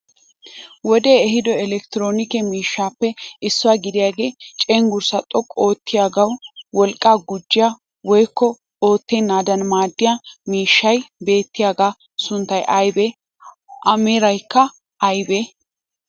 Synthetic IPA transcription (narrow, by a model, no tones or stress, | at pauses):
wɔd̪eːɛɦɪd̪ɔɛlɛkt̪ɪɾoːnɪkɛmiːʃːaːpːɛʔɪsːʊwaːɡɪd̪ɪjaːɡe̞ːt͡ʃʼeːŋɡʊɾsɐt̪ʼɔkʼo̞ːt̪ːɪjaːɡɐwwɔlkʼːaːɡʊd͡ʒːɪja | wɔjkːɔ | oːt̪ːenːaːd̪ɐnmaːd̪ːɪjamiːʃːɐjbe̞ːt̪ːɪjaːɡaː | sʊnt̪ːɐjʔɐjbɛ | ʔɐmɛɾɐjkːɐ | ʔɐjbeː